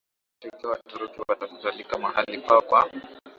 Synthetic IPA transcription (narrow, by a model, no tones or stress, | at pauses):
taitawatuɾukiwataku̥zalikamahalikakwa